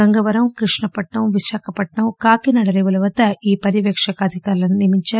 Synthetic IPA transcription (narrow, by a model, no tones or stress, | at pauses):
ɐŋɡɐʋɐɾɐmkɾiʂɳɐpɐʈɳɐmʋiʃaːkɐpɐʈɳɐwkaːkinɐɽɐliʋɐlɐʋɐt̪ɐiːpɐɾiʋjɛkʂɐkɐaːd̪ʱikaːɾlɐnunimiɲt͡ʃaː